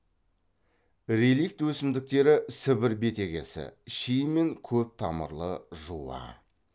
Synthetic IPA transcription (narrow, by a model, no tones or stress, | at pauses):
ɾelijk̚t̪wɵsɪmd̪ɪk̚t̪e̞ɾɪsɪbɪɾbe̞t̪e̞ɡʲe̞̰sɪ̰ʃijme̞ŋkʲʰɵp̚t̪ʰɑmə̰ɾlˠəʒuwɑ̰